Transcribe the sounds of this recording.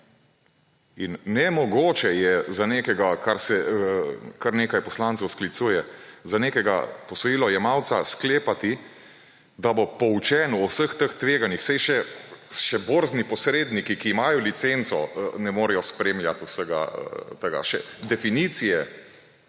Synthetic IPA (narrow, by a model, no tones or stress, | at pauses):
inːɛmɔɡoːt͡ʃɛjɛzaneːkɛɡakaɾsɛ | kaɾneːkajpɔslant̪əwsklit̪suːjɛzaneːkɛɡa̰pɔsɔjiːlɔjɛmawt̪saskleːpat̪i | d̪abopɔwt͡ʃɛːnuɔwsəxt̪əxt̪ʋeːɡanixsɛjʃɛʃɛboɾznipɔsɾeːd̪nikikiːmaːjɔlit̪sent̪sɔnɛmoːɾɛjɔspɾeːmljat̪usəɡa̰t̪əɡa̰ʃɛ̰d̪ɛfiniːt̪sijɛ